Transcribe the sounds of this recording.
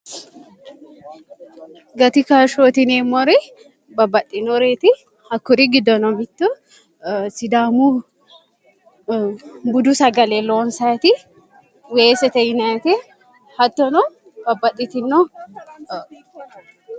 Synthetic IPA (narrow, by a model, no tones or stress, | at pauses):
ɡɐt̪ɪkaːʃoːt̪ɪneːmːɔɾɛ | bɐbɐtʼːɪnɔɾet̪ɪ | ɐkːʊɾɪɡɪd̪ɔnɔbɪt̪ːʊ | sɪd̪aːmu | bʊd̪ʊsɐɡɐlɛloːnsat̪ɪ | weːsɛt̪ɛjɪnat̪ɛ | hɐt̪ːɔnɔ | b̥ɐbːɐtʼːɪt̪ɪnːɔ